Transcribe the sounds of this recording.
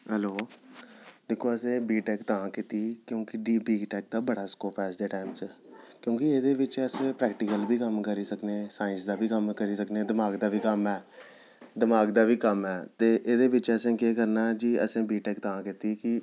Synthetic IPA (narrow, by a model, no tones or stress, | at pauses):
ɦɛloː | d̪ɪkʰːoːəsẽːbiːʈɛːkt̪ãːkɪt̪iːkjõːkɪɖiːbiːɡʈɛːk̚d̪aːbəɽaːskoːpʰɛːsd̪eːʈaːɪmt͡ʃɛːkjõːkɪeːd̪eːʋɪt͡ʃəsẽːpɾɛːkʈɪkəlbʱiːkəmkəɾiːsəkneːsaːɪ̃nsd̪aːbʱiːkəmkəɾiːsəkneːd̪ɪmaːɡd̪aːbiːkəmɛː | d̪ɪmaːɡd̪aːbiːkəmɛːt̪eːʔeːd̪eːbɪt͡ʃəsẽːkeːkəɾnaːd͡ʒiːəsẽːbiːʈɛːkt̪ãːkɪt̪iːkɪ